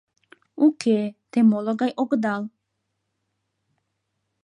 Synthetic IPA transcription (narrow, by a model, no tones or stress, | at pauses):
ukʰet̪emoloɡajʔoɡd̪alˠ